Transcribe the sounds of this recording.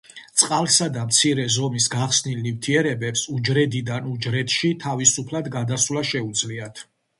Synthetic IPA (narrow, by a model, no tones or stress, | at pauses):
t̪sʼqʼalˠsad̪amt̪sʰiɾɛzɔmisɡaχsnilnivt̪ʰiɛɾɛbɛpsud͡ʒɾɛd̪id̪anud͡ʒɾɛt̪ʃit̪ʰavisupʰlad̪ɡad̪aswlˠaʃɛud̪zliat̪ʰ